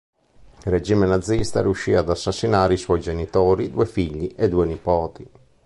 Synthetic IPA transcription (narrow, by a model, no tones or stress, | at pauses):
red͡ʒiːmenad̪zːist̪a̰ɾiuʃːiːaːd̪asːasːinaːɾeiswɔjd͡ʒenit̪oːɾid̪uːefiʎːiʔed̪uenipɔːt̪i